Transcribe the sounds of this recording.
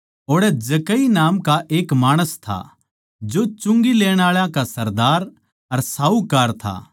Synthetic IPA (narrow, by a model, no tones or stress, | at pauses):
oːɽɛd͡ʒɐkəinaːmkaʔeːkmaːɽ̃əst̪ʰa̰ | d͡ʒot͡ʃʊ̃ŋɡileːɽ̃aːɭãkasɐɾd̪aːɾ | ɐɾsaːukaːɾt̪ʰa̰